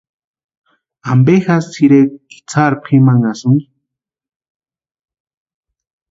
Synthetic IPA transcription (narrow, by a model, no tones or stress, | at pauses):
ambexasːiɾekːi̥t͡sʰaɾpχimaŋasuŋi